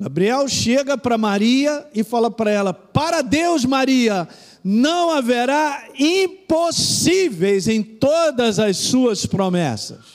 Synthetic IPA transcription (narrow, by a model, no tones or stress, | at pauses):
ɡabɾiɛwʃeɡɐpɾɐmaɾiɐɪfalɐpɾɐɛlɐpaɾɐd̪ewzmaɾiɐ | nɐ̃w̃aveɾaĩposivejzẽj̃t̪od̪ɐzɐssuɐspɾomɛ̰sɐ̥s